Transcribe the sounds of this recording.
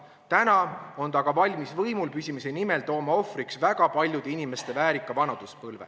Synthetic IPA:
t̪ænɑo̞nt̪ɑɡ̥ɑvɑlʲmisvɤjmulpysʲimisenime̞lt̪o̞ːmɑo̞fɾiksvæɡ̥ɑpɑlʲjud̪̥einime̞st̪e̞væːɾikːˑɑvɑnɑd̪̥uspɤlve

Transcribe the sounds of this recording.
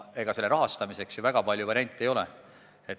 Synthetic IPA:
e̞ɡ̥ɑse̞lːeɾɑɦɑst̪ɑmise̞ksjuvæɡ̥ɑpɑlʲjuvɑɾʲiɑnʲt̪ˑːejo̞le | et̪

